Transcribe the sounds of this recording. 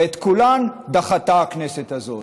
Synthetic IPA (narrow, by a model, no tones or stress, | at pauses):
et̪kuland̪aχat̪aakneset̪azo̞